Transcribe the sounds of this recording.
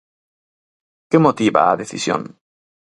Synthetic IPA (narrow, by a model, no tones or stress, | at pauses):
kemot̪iβa̰ːðeθḭsjo̰n